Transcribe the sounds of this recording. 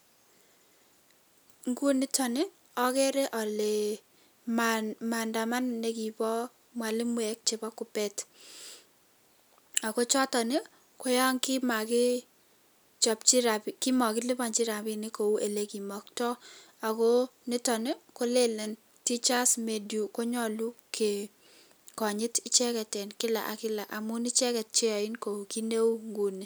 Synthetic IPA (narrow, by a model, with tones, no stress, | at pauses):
ŋɡu˦nɪ˦tɔ˨nɪ˦ | ɔ˦kɛ˦ɾɛ˦ʔɔ˨le˨ | ma˨nda˨ma˦nːe˦ki˨pɔ˦ | mwa˨lɪ˦mwɛ˨k̚t͡ʃe˨bɔ˦kʊ˨pɛ˦t | a˨ko˦t͡ʃɔ˦tɔ˨nɪ˦ | ko˦ja˦ŋki˦ma˨kɪ˦ | t͡ʃɔ˨pt͡ʃi˦ɾa˨pikɪ˦mɔ˨kɪ˦lɪ˦pa˨nt͡ʃi˦ɾa˨pɪ˦nɪ˦ko˨u˦ʔe˨le˦ki˨mɔ˨k̚tɔ˦ | a˨ko˦nɪ˦tɔ˨nɛ˦ko˦le˦lɛ˨n | ti˦t͡ʃa˦sme˨dju˨ko˦ɲɔ˦lu˦kʰe˨ | kɔ˨ɲɪ˦tɪ˦t͡ʃɛ˦kɛ˨tɛ˨nkɪ˦la̰˨ʔa˨kɪ˦la˨ʔa˨mʊ˦nɪ˦t͡ʃɛ˦kɛ˨t̚t͡ʃɛ˦jɔ˨ɪ˦nko˨u˨ki˦ne˦u˦ŋɡu˨ni˨